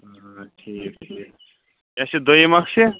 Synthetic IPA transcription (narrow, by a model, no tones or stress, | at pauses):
ʈʰiːkʈʰiːk | jãsed̪ojemakse